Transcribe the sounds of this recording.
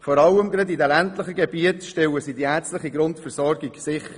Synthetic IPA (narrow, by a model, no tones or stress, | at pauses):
fɔːɾɑləmɡɾɛdidɛlæntləχəɡɛbiətʃtɛwəsidiæt͡stləχiɡɾʊntfɛɾsɔɾɡiɡsɪχ